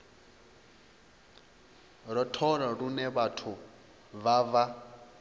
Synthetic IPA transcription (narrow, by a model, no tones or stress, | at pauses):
ɾɔtʰɔɺaɾunɛβatʰu | βava